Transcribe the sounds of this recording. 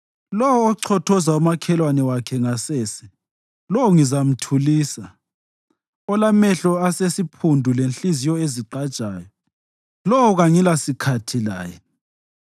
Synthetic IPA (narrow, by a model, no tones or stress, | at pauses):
lɔwɔːǀʰɔtʰɔzaumakʰɛlwanɛwakʰɛŋasɛːsɛ | lɔwɔŋizam̩tʰuliːsa | ɔlamɛɬɔasesipʰundʱulenɬizijɔeziǃad̥t͡ʃʼaːjɔ | lɔwɔɣaŋilasikʰatʰila̰ːjɛ